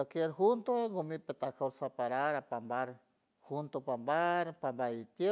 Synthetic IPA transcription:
okjeɾhunt̪oŋɡomipet̪akaɾsapaɾaɾapambaɾ | hunt̪opambaɾpambait̪je

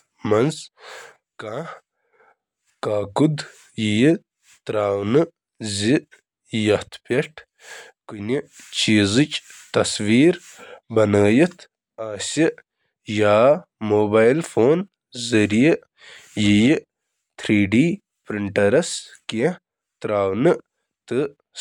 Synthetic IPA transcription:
mɐnz | kãː | kaːkud̪ | jiji | t̪ɾaːwnɨ | zi | jɐt̪ʰpʲeʈ | kunit͡ʃiːzɨt͡ʃt̪ɐsʋiːɾ | bɐnəːjit̪ʰ | aːsʲi | jaː | moːbaːjlfoːn | zɐɾiji | jiji | t̪ʰɾiːɖiː | pɾiɳʈɐɾɐske | t̪ɾaːwnɨ | t̪ɨ

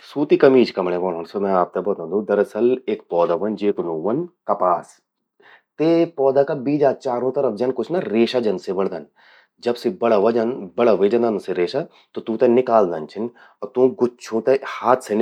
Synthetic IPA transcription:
suːt̪iːkɐmiːt͡ʃkɐmɽẽːʋɔːnoːnsomɛ̃aːp̚t̪ɛbɐt̪ãːnd̪ũːd̪ɐɾɐsəlekpɔːd̪aːʋɐnd͡ʒeːknõːʋɐnkɐpaːs | t̪epɔːd̪aːkabiːd͡ʒaːt͡ʃaːɾõːt̪ɐɾəfd͡ʒɐnkʊt͡ʃʰnaɾeːʃaːd͡ʒɐnsebəɽd̪ɐn | d͡ʒɐbsibɐɽaʋɐd͡ʒɐnbɐɽaʋeːd͡ʒɐ̃nd̪anseɾeːʃa | t̪ot̪ũːt̪ɛnɪkaːld̪ɐnt͡ʃʰɪn | ɔt̪ũːɡʊt͡ʃʰõt̪ɛhaːt̪ʰsen

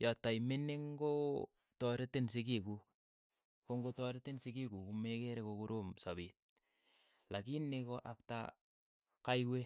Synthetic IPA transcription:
jɔtːajmɪnɪŋɡo | tɔɾɪtɪnsɪkikuk | koŋɡotɔɾɪtɪnsɪkikukumekeɾekokuɾomsabit̚ | lakinɪkoʔapta̰ | kajwe

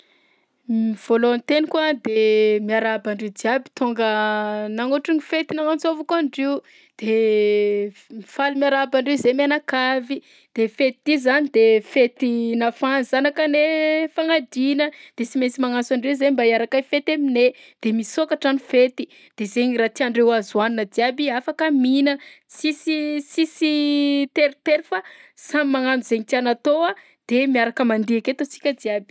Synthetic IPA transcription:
miv̥oloant̪enikuad̪emiaɾabaɳɖ͡ʐed̪iabi̥t̪oŋɡənaŋoʈ͡ʂiɲifet̪inaŋant͡sovakaɳɖ͡ʐeu | d̪̥e | mifalumiaɾabaɳɖ͡ʐewzemianakavi | d̪̥efet̪id̪̥izanid̪efet̪inafanzanakənefaŋad̪inəd̪̥esimesimaŋasaɳɖ͡ʐezembaiaɾakajfet̪emined̪̥emisokaʈ͡ʂanifet̪i | d̪̥ezeɲiɾat̪iaɳɖ͡ʐewazuaninəd̪iabiafakaminət͡sisisisit̪eɾt̪eɾifasammaŋanuzeɲit̪ianat̪oa | d̪̥emiaɾakəmand̪iaket̪ot͡si̥kʲəd̪iabi̥

